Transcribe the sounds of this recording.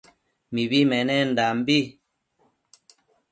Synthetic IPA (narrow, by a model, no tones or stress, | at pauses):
miβimɛnɛn̩dambi